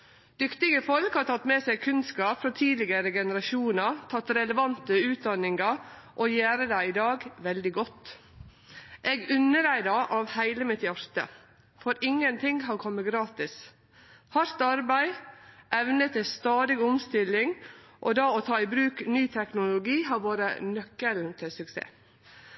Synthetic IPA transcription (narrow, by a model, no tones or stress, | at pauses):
d̪̥ʏkt̪ɪɡəfɔlkhɑːɾt̪ʰɑt̪ːmeːsɛɡkʰʉnskɑːpfɾɔt̪ʰiːlɪɡəɾəɡɛnəɾɑʃuːnɑt̪ʰɑt̪ːɾɛləʋɑnt̪əʉːt̪̚d̪ɑnɪŋɑɾ | ʔojæːɾəd̪æɪɪd̪ɑːɡʋɛld̪ɪɡɔt̪ː | ʔeːɡʉnːəɾæɪd̪ɑʔɑʋhæɪləmɪt̪jæɾt̪ə̰ | fɔɾɪŋːənt̪ʰɪŋhɑnkʰɔmːəɡɾɑːt̪ɪs | hɑɾt̪ɑɾbæɪʔɛʋnət̪ɪst̪ɑːd̪ɪɡʊmst̪ɪlːɪŋʔɔd̪ɑːɔt̪ʰɑːɪbɾʉːknyːt̪ʰɛknʊlʊɡiːhɑʋoːɾə̰nœkːəɾʉnt̪ʰəsʉksḛː